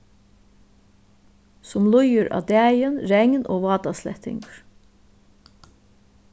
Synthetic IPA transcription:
sʊmlʊjəɾʔɑ̰ːd̪æːjənɾɛŋnʔo̰ːʋɑːt̪ɑslɛ̰ht̪ɪ̰ŋkɹ̥

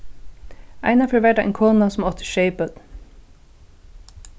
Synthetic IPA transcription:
a̰ɪnafɔɾʋæɖaʔɛ̰jnkʰoːnasɔmɔt̪ʰə̥ʃeɪpət̪

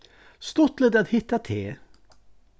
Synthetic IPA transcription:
st̪ɔt̪ləd̪at̪hɪt̪ːat̪ʰeː

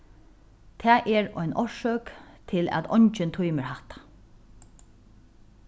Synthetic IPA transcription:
t̪ʰɛːʔɛɹɔ̰ʏnɔʃœkt̪ʰɪlæ̰t̪ɔ̰ɲt͡ʃɪnt̪ʰujməɹhaht̪ḁ

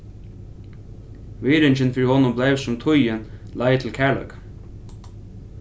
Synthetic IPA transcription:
ʋiːɾɪɲt͡ʃɪnfɪɾihɔnʊmbleɪvsʊmt̪ʰʊjɪnlaɪt̪ʰɪlkʰæɭœ̰kḁ

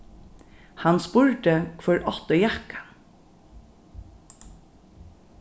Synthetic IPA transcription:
hanspʊɹɖəkʰʋœɹʔɔt̪əjakḁn

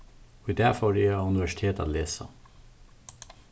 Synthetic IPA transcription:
ɔd̪æfɔɾiʉnɪʋæʃɪ̥t̪ʰeːt̪ɑ̰ːleːsɑ̰

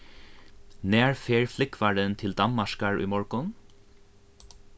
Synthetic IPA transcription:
næːɹfeːɹflɪkʰʋæːɖənt̪ʰɪld̪ɑmmɑʃkɑɹʔḭːmɔɹkʊn

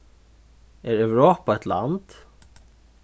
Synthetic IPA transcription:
ɛɹɛwɹɔːpaɛht̪la̰nt̪

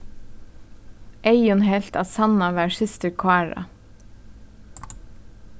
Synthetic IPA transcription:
ʔeɪʊnhɛlt̪ɑ̰ːsɑnɑʋæːʃɪst̪əɾkʰwæːɹɑ̰

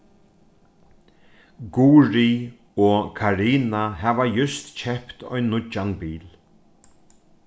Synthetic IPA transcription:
ɡuːɾi | ɔːkʰaɾiːnaɦɛːʋajʏst̪t͡ʃʰɛhpt̪ɔ̰jnːʊt͡ʃːanbiːl

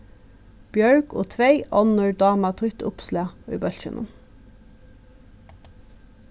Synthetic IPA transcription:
b̥jœɹɡʰo̰ːt̪ʰʋeɪʔɔnœɹd̪ɑːmɑt̪ʰʁʏt̪ʊ̰pslæy̰ːbœlʃə̰nʔə̰n

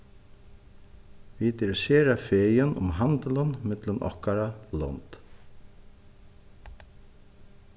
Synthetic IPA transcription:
ʋid̪ɪɾɪseːɾafeːjənʊ̰mɦand̪ələnmɪt̪lənʔɔ̰hkaɾalɔ̰nt̪

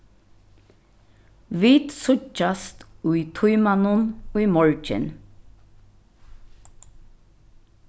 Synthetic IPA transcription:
ʋiːt̪sʊt͡ʃast̪uit̪ʰʊʏmanʊnuimɔɹt͡ʃɪ̰n

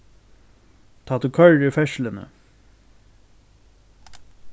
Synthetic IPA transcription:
t̪ʰaːt̪ʰukʰœɹɪfɛʃlɪnə̰

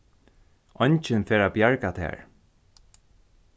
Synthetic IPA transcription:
ɔɲt͡ʃɪnfɛːɹaːbjaɹkat̪ʰɛ̰ːɹ

